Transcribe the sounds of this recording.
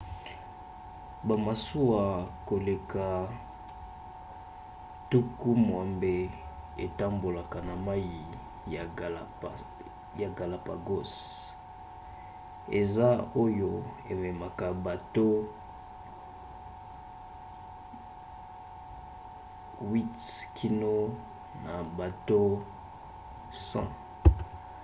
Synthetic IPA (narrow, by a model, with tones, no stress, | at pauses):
ba˨ma˨su˦wa˨ko˨le˨ka˨ | tu˦ku˦mwa˨mbe˦ | e˨ta˦mbo˨la˨ka˨na˨ma˦ji˨ | a˨a˨ | ja˨ɡa˨la˨pa˨ɡo˦s | ḛ˨za˦o˦jo˦ | e˨mɛ˨ma˨ka˨ba˨to˦ | wi˦tkʰi˦no˦ | na˨ba˨to˦ | sã̰˦